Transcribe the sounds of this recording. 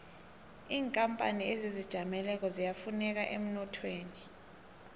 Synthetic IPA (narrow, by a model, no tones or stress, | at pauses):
iːŋkʼampʼa̰niezizid̥ʒ̥ʱamɛlɛk̬ɔzijafunɛk̬aʔem̩nɔtʰweːni